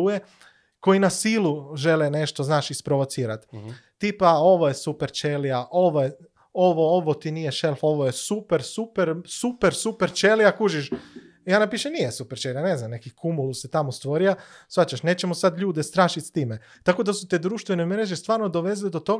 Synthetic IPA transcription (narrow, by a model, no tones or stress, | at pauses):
uje | ko̞jinasiluʒe̞lene̞ʃt̪oznaːʃispɾo̞ʋo̞t̪siːɾat̪ː | ipao̞ʋojesupeɾt͡ʃeliaʔo̞ʋoje | o̞ʋooʋot̪inijeʃelˠfo̞ʋojesupeɾsupeɾsupeɾsupeɾt͡ʃelijakuːʒiʃ | jaːnapiːʃemnijesupeɾt͡ʃelijane̞znamne̞kikʰumuluse̞t̪amost̪ʋo̞ɾija | sʋat͡ɕaʃne̞ːt͡ɕe̞mosad̪ʎuːd̪est̪ɾaːʃit̪st̪iːme | t̪ako̞d̪asut̪eːd̪ɾuːʃt̪ʋenemeɾeʒest̪ʋaːɾnod̪o̞ʋe̞zilid̪ot̪o̞